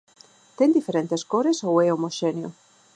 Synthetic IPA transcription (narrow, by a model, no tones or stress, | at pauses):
t̪end̪ifeɾent̪eskoɾesoweomoʃenjo̰